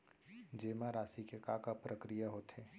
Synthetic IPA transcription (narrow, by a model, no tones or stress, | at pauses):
d͡ʒeːmaɾaːsikekakapɾəkɾijaɦoːt̪eː